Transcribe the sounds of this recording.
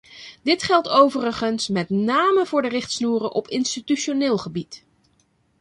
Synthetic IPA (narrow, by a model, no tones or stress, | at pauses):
dɪtχɛlˠtowvərəχənsmɛtnaːməvʊːɹdərɪχtsnuːrəʔɔpɪnstityʃonɪːlˠχəbit